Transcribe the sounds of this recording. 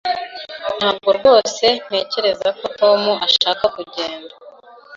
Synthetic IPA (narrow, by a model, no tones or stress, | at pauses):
n̥haːb̚ɡoɾɡwo̞ːse̞n̥e̞ːce̞ɾe̞zako̞to̞ːmuʔaʃaːkakuɟeːnda